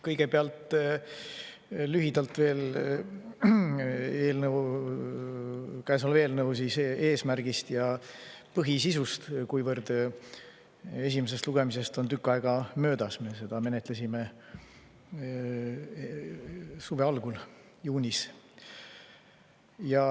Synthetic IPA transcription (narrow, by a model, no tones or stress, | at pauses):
kɤjɡ̥e̞peɑlt̪ | lyɦid̪̥ɑlt̪ve̞ːl | eːlnəw | kæesɑlve̞ːlnɤws̬ise̞ːsmærɡ̥ist̪jɑpɤɦisisust̪kujvɤrd̪̥ | e̞sʲimese̞st̪luɡ̥e̞mise̞st̪o̞nt̪ykːˑɑeɡ̥ɑmø̞ːd̪̥ɑsme̞se̞d̪̥ɑme̞net̪lesime̞ | suve̞ɑlɡ̥ul | juːnʲis | jɑ